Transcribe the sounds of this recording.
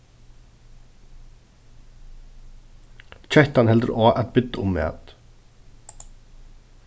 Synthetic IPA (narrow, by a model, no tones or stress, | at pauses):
c͡çʰœht̪anhɛld̪əɾʔoːʔat̪̚bɪt̪ːəʊmːɛ̰ːt̪